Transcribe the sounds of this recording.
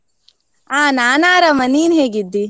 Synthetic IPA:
aːnaːnaːɾɐmɐniːnɦeːɡid̪ːi

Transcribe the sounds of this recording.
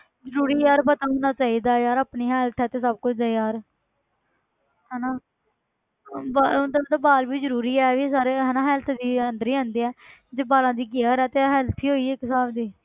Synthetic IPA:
zəɾuːɾiːjaːɾpət̪aːɦoːnaːt͡ʃaːiːd̪aːjaːɾaːpniːɦɛːlt̪ʰɛːt̪eːsəb̚kʊt͡ʃʰd̪eːjaːɾ | ɦɛːnaː | band̪ad̪aːbaːlbiːzəɾuːɾiːɛːʋiːs̬aːɾeːɦɛːnaːɦɛːlt̪ʰd̪iːənd̪əɾiːãːnd̪iːɛːd͡ʒeːbaːlãːd̪iːɡeəɾɛːt̪eːɦɛːlt̪ʰiːɦoːiːeːkɪsaːbd̪iː

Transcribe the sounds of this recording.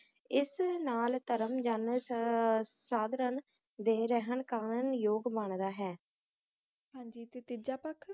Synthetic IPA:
ɪsnaːlt̪əɾəmd͡ʒəns | saːd̪ɾən | d̪eːɾɛɦəɳkaːnənjoːɡbəɳd̪aːɦɛː | ɦãːɲd͡ʒiːt̪et̪ɪd͡ʒaːpəkʰ

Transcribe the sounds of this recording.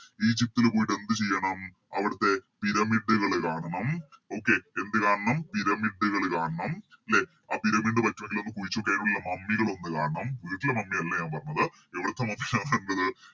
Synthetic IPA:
iːd͡ʑip̚t̪ilpoːjiʈːe̞nd̪ɨt͡ɕe̞jːɐɳɐm | ɐʋiɽɐt̪ːe̞piɾɐmiɖːɨɣɐɭkaːɳɐɳɐmo̞ːkːe̞end̪ɨkaːɳɐɳɐmpiɾɐmiɖːɨɣɐɭkaːɳɐɳɐm | le̞ | aːpiɾɐmiɳɖɨpɐtːuʋe̞ŋɡilo̞nːɨkuʋit͡ɕːokːeːnuɭilːɐmɐmːiɣɐɭo̞nːɨkaːɳɐɳɐmʋiːʈːilemɐmːiɐlːɐɲaːnpɐrɐɲːɐðɨ | eʋiɽɐt̪ːemɐmːikɐkauɳɖɐðɨ

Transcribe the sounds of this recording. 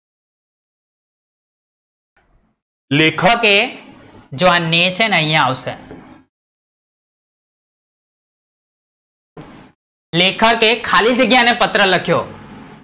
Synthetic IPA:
leːkʰəke | d͡ʒoãnːeːt͡ʃʰẽnəĩjãaːusḛ̃ | leːkʰəkekʰaːlid͡ʒəɡjãnepət̪ɾələkʰjoː

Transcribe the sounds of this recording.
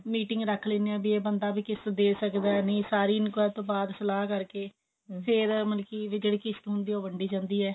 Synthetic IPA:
miːʈɪŋɡɾəkʰleːnːɛ̃ːbiːeːbənd̪aːbiːkɪsd̪eːsəkd̪aːɛnĩːsaːɾiːnkːɛːt̪õːbaːd̪səlaːkəɾkeː | pʰɪɾmənkiːʋɪd͡ʒəɽiːkɪst̪ːɦʊnd̪iːoːʋəɳɖiːd͡ʒãːnd̪iːɛː

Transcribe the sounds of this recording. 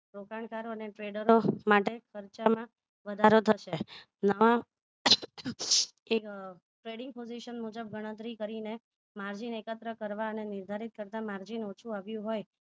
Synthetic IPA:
ɾokaɳkaɾoəneʈɾeɖəɾomaʈekʰəɾt͡ʃamã | ʋəd̪ʱaɾot̪ʰəʃe | nəʋã | e | ʈɾeɽɪŋɡ̚poziʃənmud͡ʒəb̚ɡʱəɽ̃ə̃t̪ɾikəɾine | maɾd͡ʒinekət̪ɾəkəɾʋaənenɪɾd̪ʱaɾit̪̚kəɾt̪amaɾd͡ʒinot͡ʃʰuaʋjũɦoj

